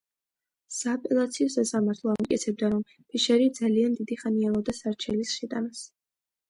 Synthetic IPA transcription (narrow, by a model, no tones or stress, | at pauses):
saːpʼɛlˠat̪sʰiɔsasamaɾt̪ʰlˠɔamukʼɛt̪sʰɛb̚d̪aɾɔm | pʰiʃɛɾid̪zaliand̪id̪iχanialɔd̪asaɾt͡ʃʰɛlisʃɛd̪ʼanas